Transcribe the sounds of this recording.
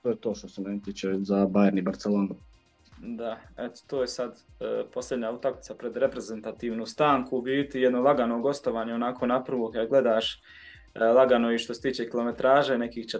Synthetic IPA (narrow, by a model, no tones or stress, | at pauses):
t̪ojet̪oːʃt̪osenent̪it͡ʃezabajeɾnibaɾt̪seloːno | d̪aet̪o̥t̪oːjesad̪po̞slʎʲe̞d̪ɲaut̪aklit̪sapɾe̞d̪ɾe̞pɾe̞ze̞nt̪at̪iːʋnuːst̪aːŋkuːʋiːt̪ijed̪nolˠaɡano̞ɡo̞st̪o̞ʋaːɲeonakʰo̞ːnapr̩ʋokad̪ɡle̞d̪aːʃ | lˠaɡanoiʃt̪ose̥t̪iːt͡ʃe̞kilˠo̞me̞t̪ɾaːʒeːne̞kiːht͡ʃe